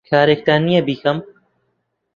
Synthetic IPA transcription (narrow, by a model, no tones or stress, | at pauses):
kʰaːɾeːk̚t̪aːnijabiːkʰɐm